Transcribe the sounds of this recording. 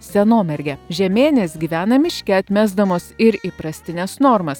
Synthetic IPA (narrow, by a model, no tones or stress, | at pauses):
sʲɛnoːmʲɛɾʲɡʲɛʒʲɛmʲeːnʲesɡʲiːʋʲæːnɐmʲɪʃʲkʲɛɐt̪ʲmʲæzd̪ɐmoːsɪɾiːpɾɐsʲt̪ʲɪnʲɛsnɔɾmɐs